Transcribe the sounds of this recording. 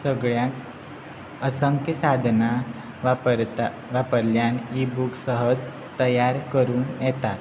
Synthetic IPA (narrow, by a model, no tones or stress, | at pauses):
səɡɭjãk | əsəŋkjəsad̪ʱna | ʋpɾt̪ | ʋapəɾljanibuksəɦəd͡z | t̪əjaɾkəɾuːnjɛt̪at̪